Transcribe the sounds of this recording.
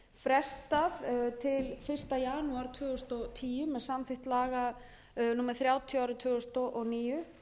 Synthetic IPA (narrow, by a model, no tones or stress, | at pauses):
fɾɛ̥st̪aðt̪ʰɪlfɪr̥st̪ajaːnuaɾ̥t̪ʰvʏːɣʏst̪ɔt̪ʰiːjʏmːɛðsamθɪht̪laːɣa | numɛɾ̥θɾjaːwt̪ʰjaaɾʏt̪ʰvʏːɣʏst̪ɔʔɔɣniːjʏ